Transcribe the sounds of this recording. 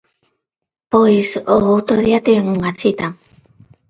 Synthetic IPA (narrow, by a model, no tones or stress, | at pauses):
pojsoowt̪ɾoðiat̪iβeŋuŋat͡ʃit̪a